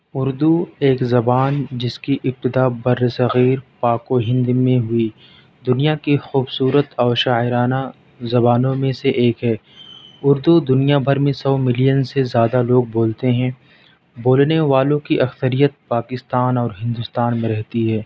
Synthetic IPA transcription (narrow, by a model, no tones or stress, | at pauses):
ʊɾd̪ueːkzɐbaːnd͡ʒɪskiʔɪp̚t̪ɪd̪abɐɾːsɐɣiːɾpaːkoɦɪ̃nd̪mẽɦʊi | d̪ʊnijakixuːbsuːɾət̪ɔːɾʃaːɪɾaːna | zɐbaːnõmẽseʔeːkɦɛː | ʊɾd̪ud̪ʊnijabʱɐɾmẽsɔːmɪlijənsezjaːd̪aloːɡ̚boːlt̪eɦɛ̃ | boːlneʋaːlõkiʔɐksəɾijət̪̚paːkɪst̪aːnɔːɾɦɪ̃nd̪ʊst̪aːnmẽɾɛɦt̪iɦɛː